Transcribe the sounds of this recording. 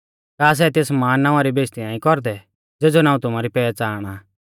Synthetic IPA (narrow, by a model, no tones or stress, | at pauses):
kaːs̬ɛt̪eːsmaːnːãːʊ̃ãɾibeːst̪inãːĩkɔɾd̪ɛ | d͡zeːd͡zonaːũt̪ʊmaɾipɛːɛt͡saːɽ̃a